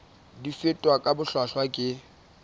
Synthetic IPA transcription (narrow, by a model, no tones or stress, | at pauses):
difɪtʼwakʼabʊɬwaɬwakʼɪ